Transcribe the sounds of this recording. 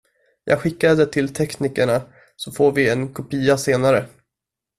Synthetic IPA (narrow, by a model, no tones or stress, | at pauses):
jʔɑːɡɧɪkːad̪ət̪ʰɪlt̪ʰɛknɪkəɳa | sɔfoːɾvɪɛnkʰʊpiːaseːnaɾə